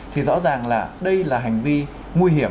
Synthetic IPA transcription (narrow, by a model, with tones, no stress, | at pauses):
t̪ʰi˨˩zɔ̰˧˥zaː˨˩ŋlaː˨˩ɗə˧jlaː˨˩ɦa˨˩jŋ̟vi˧ | ŋwi˧ɦi˧˩ə